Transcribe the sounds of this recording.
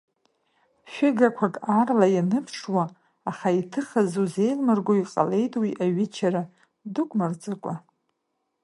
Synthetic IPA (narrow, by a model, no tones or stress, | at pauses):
ʃʷᶣɪɡakʷʰakʼarlajanɨpʰʂwaː | χaitʰɨχazuze̞jlmɨrɡʷoiqʼa̰le̞jtʼwiʔaɥɪt͡ʃʰaɾa | dʊkʷʼmɨrd͡zʼɨkʷʼa